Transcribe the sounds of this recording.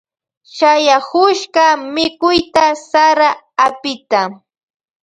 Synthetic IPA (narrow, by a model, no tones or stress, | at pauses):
ʃajahʊʃɢɑmɪkʊjt̪asaɾaː | pɪt̪a